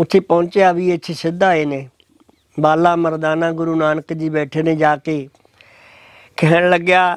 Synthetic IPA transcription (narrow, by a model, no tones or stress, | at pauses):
ʊt̪ʰːeːpɔ̃ʊɲt͡ʃejaːʋiːet̪ʰiːsɪd̪aːeːneː | baːlaːməɾd̪aːnãːɡʊɾuːnaːnəkd͡ʒiːbɛːʈʰeːnẽːd͡ʒaːkeː | kʰɛːɽləɡjaː